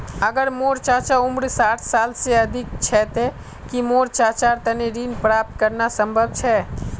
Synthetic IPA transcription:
əɡəɾmoɾt͡ʃat͡ʃaumɾsaʈʰsalseəd̪ʱik̚t͡ʃʰɛt̪e | kimoɾt͡ʃat͡ʃaɾt̪əneɾinpɾap̚t̪kəɾnasəmbʱəb̚t͡ʃʰɛ

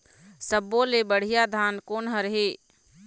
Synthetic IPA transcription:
səbolebəɽ̤ijad̪ʱaːnkoːnɦəɾɦeː

